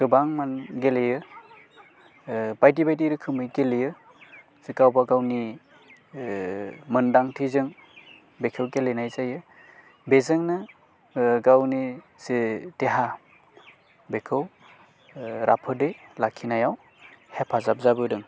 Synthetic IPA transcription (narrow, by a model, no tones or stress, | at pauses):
ɡɯbaŋmanɡelejɯ | bajdibajdiɾɯkʰɯmɯjɡelejɯ | z̥ikawbaɡawni | mɯndaŋtʰizɯŋ | bekʰɯwɡelenajzajɯ | bezɯŋnɯ | ɡawni | z̥iteɦa | bekʰɯw | ɾʔapʰɯdɯjlakʰinajaw | hepʰazap̚zabɯdɯŋ